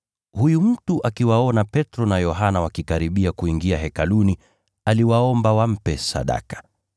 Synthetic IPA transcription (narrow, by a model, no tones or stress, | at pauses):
hujum̩tuʔakiwaɔnapɛtɾɔnajɔɦanawakikaɾiɓiakuiŋɡiaɦɛkaluni | aliwaɔmbawam̩pɛsa̰ɗa̰kḁ